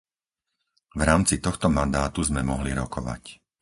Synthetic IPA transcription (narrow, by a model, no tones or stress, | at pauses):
vɾaːmt͡sit̪ɔxt̪ɔmand̪aːt̪uzmɛmɔɦliɾɔkɔʋa̰c